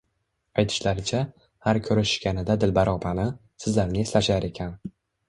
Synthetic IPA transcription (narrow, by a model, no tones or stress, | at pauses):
ajt̪ʰɪ̥ʃlaɾɪt͡ʃʰa | haɾkʲʰɵɾaʃɪ̥ʃkʲanɪd̪ad̪ɪlbaɾʔɒpʰanɪ | sɪzlaɾnɪeslaʃaɾe̞kʲʰan